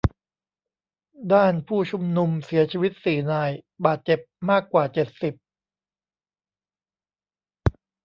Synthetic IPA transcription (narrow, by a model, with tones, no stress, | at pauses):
daː˥˩npʰuː˥˩t͡ɕʰu˧mnu˧msi˩˦ɐt͡ɕʰiː˧wi˦˥t̪̚siː˨˩naː˧jbaː˨˩t̪̚t͡ɕe˨˩p̚maː˥˩kːwaː˨˩t͡ɕe˨˩t̪̚si˨˩p̚